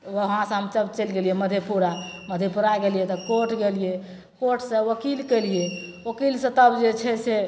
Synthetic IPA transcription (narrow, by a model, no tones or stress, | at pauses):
ɦɦãsə̃ɦəmt͡ʃəbt͡ʃelɡelijeməd̪ʱjepuɾaməd̪ʱjepuɾaɡelijet̪ɔkoʈɡelije | koʈʰsə̃ʋəkilkɛlijeʋəkilsə̃t̪əbd͡ʒet͡ʃʰɛse